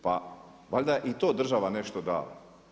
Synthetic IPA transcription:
pa̰ | ʋaʎʲd̪aʔit̪oːd̪r̩ʒaʋane̞ʃt̪od̪a̰ːla̰

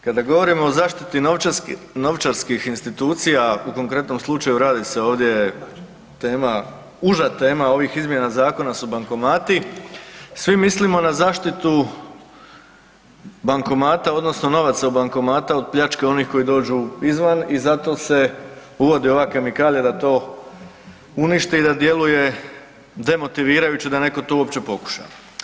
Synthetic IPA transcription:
kad̪aɡo̞ʋo̞ɾimo̞ːzaːʃt̪it̪i | no̞ʋt͡ʃaɾskixinst̪it̪uːt̪sijauko̞ŋkɾe̞t̪no̞mslˠut͡ʃajuɾaːd̪ise̞o̞ːʋd̪je̞e | t̪eːma | uʒat̪e̞ːmao̞ʋixizmje̞nazaːko̞nasubaŋko̞maːt̪i | sʋimislimo̞nazaːʃt̪it̪u | baŋko̞maːt̪ao̞d̪no̞sno̞no̞ʋat̪saubaŋko̞maːt̪aod̪̚pʎat͡ʃke̞o̞niːxko̞jid̪o̞ːd͡ʒuizʋanizat̪o̞ːse̞uʋo̞d̪io̞ʋakemikaːljad̪at̪o̞ː | uniʃt̪iid̪ad̪je̞luje̞ | d̪e̞mo̞t̪iʋiːɾajut͡ɕed̪ane̞ko̞t̪ouo̞pt͡ɕe̞po̞ku̥ʃa̰a

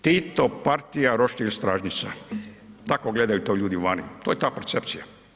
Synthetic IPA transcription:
t̪it̪opaɾt̪ijaɾoʃt̪ilʲst̪ɾaːʒɲit̪sa̰ | t̪akoɡle̞d̪ajut̪oʎuːd̪iuʋanḭt̪oːjet̪aːpeɾt̪se̞pt̪sija

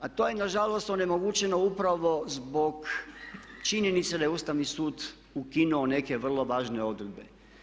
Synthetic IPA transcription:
at̪o̞ːjenaʒalo̞st̪o̞ne̞mo̞ɡut͡ʃe̞no̞upɾaʋo̞zbo̞k | t͡ʃiɲjenit̪sed̪ajeust̪aʋnisuːd̪ | ukinuone̞ke̞ʋr̩lˠo̞ʋaːʒne̞o̞d̪ɾed̪be̞

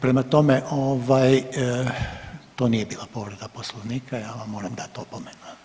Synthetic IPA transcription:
pɾemat̪o̞meʔoʋaj | t̪oːnijebiːlˠapo̞ʋɾed̪aposlˠoʋniːkajaːʋamːoːɾamd̪at̪oːpomenu

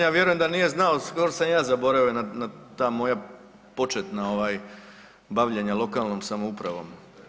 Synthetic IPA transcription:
jaːʋje̞ɾujemd̪anije̞znaoskoɾosamjaːzabo̞ɾaojenanat̪ːaːmo̞ja | po̞t͡ʃet̪nao̞ʋaːj | baʋʎeɲalˠo̞kaːlno̞ːmsamoupɾaʋo̞̰m

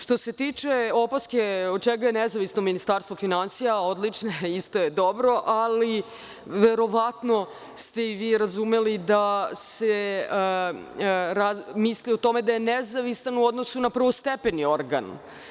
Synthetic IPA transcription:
ʂt̪o̞se̞t̪iːt͡ʃe̞o̞poskeod̪̚t͡ʃɛɡajenezaʋisno̞minist̪aɾst̪vofinansijao̞d̪lit͡ʂneist̪o̞jed̪o̞bɾo̞ʔali | ʋe̞ɾo̞ʋat̪no̞ | st̪e̞iʋiːɾazume̞lid̪ase | ɾamisliot̪o̞me̞d̪aje̞nezaʋisanuo̞d̪nosunapr̩ʋost̪epenio̞ɾɡa̰n

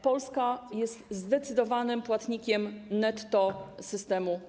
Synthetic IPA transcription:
pɔlskajɛst̪zd̪ɛt̪sɘd̪ɔvanɘmpwat̪ɲikʲɛmnɛt̪ːɔsɘst̪ɛmu

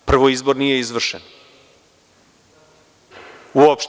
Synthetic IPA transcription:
pr̩ʋoizboɾnijeizʋvr̩ʃɛn | uopʃ

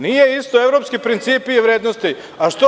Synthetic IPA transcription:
nijeist̪oeʋɾopskipɾint̪siːpiːʋɾeːd̪nost̪i | aʃt̪o

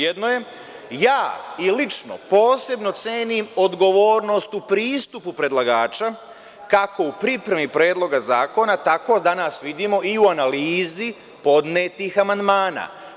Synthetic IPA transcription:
jed̪noje̞ | jaːilit͡ʃno̰po̞ːse̞bno̞t̪seːnimod̪ɡo̞ʋoːɾno̞st̪upɾiːst̪upupɾe̞d̪lˠaɡaːt͡ʃa | kako̞upɾipɾemipɾe̞ːd̪lˠo̞ɡazaːko̞nat̪ako̞d̪anaːsʋid̪imo̞ʔiuanaliːzi | po̞d̪neːt̪ixamand̪maːna̰ː

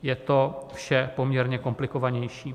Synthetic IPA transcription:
jɛt̪o̞fʃɛpo̞mɲɛɾɲɛko̞mplɪkovaɲɛjʃiː

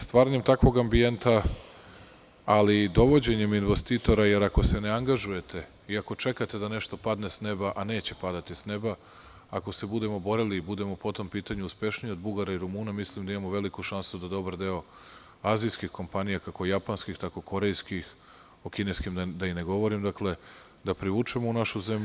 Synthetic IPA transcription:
st̪vʋaːɾaɲe̞mt̪akʋo̞ɡambie̞nt̪a | alid̪o̞ʋo̞d͡ʑe̞ɲe̞minʋest̪it̪o̞ɾaje̞ɾako̞se̞neaŋɡaʒuje̞t̪ʰe̞ | iako̞t͡ʃe̞kat̪e̞d̪ane̞ʃt̪o̞pad̪nesne̞baʔane̞ːt͡ɕe̞pad̪at̪isne̞ba | ako̞se̞bud̪e̞mo̞bo̞ɾeliːbud̪e̞mopo̞t̪o̞mpiːt̪aɲuuspe̞ʃnio̞d̪̚buɡaɾaiɾumuːnamislimd̪aimamoʋe̞likuʃansud̪ad̪o̞baɾd̪e̞o̞ | aːzijskixko̞mpanijakako̞japanskixt̪ako̞ko̞ɾe̞jskix | o̞kine̞skimd̪aine̞ɡo̞ʋo̞ɾimd̪akle̞ | d̪apɾiʋuːt͡ʂemounaʃuze̞m

